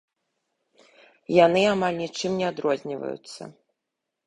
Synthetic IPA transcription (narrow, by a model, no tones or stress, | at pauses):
janɨamalʲnʲit͡ʂɨmnʲɛad̪ɾɔzʲnʲivɐ̰jṵt̪sːɐ̰